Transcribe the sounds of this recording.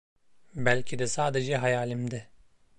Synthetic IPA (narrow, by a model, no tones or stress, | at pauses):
bælʲcʰid̪ɛsaːd̪ed͡ʒɛɦajaːlʲimd̪ɛ